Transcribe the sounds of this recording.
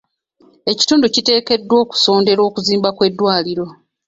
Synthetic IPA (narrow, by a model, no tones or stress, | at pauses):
e̞ci̥tuːnducite̞ːke̞dːwo̞ːku̥so̞ːnde̞ɾo̞ːkuziːmbakwe̞dːwaːliɾo̞